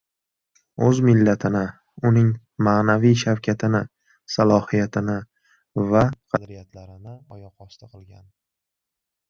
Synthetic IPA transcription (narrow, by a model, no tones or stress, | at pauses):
ɵzmɪlːat̪ʰɪnɪ | ʊnɪŋ | maːnavijʃawkʲʰat̪ʰɪnɪ | salˠɒhijat̪ʰɪnɪ | vaqʰɑd̪ɾijat̪ʰlaɾɪnɪɒjɒqɒst̪ʰaqʰɨlˠɡʲan